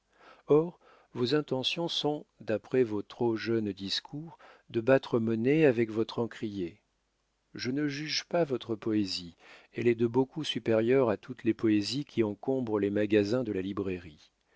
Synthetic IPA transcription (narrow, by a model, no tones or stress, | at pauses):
ɔʁ | vozɛ̃t̪ɑ̃sjɔ̃sɔ̃d̪apχɛvot̪χoʒœnd̪iskʰuʁd̪əbat̪χəmɔneavɛkvɔt̪χɑ̃kχije | ʒənəʒyʒpavɔt̪χəpɔeziɛlɛd̪əbokusypeʁjœʁat̪ut̪lepɔezikʲʰiɑ̃kɔ̃bʁəlemaɡazɛ̃d̪əlalibʁeʁi